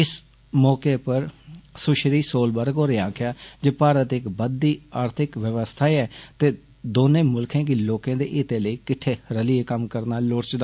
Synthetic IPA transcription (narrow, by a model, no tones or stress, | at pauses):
ɪs | mɔːkeːpəɾsʊʃɾiːsoːlbəɾkoːɾeãːkʰjaːd͡ʒeːpaːɾət̪ɪkbəd̪ːiːaːɾt̪ʰɪkʋəʋəst̪ʰaːɛːt̪eː | d̪oːnẽːmʊlkʰẽːk̬ɪloːkẽːd̪ḛːʔiːt̪ẽːləiːkɪʈʰːeːɾəlɪeːkəmkəɾnaːlʊɾt͡ʃd̪